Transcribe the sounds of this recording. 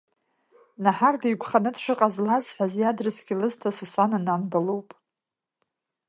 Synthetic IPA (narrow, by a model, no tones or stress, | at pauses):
naħardijɡʷʰʼχanɨdʂɨqʼazlazħʷᶣazjadrɨsɡʲɪlɨztʰasusanananbalowpʼ